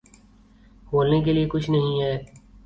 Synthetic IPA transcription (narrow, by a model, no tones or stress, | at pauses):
boːlnek̬eliekʊt͡ʃʰnɐɦĩɦɛː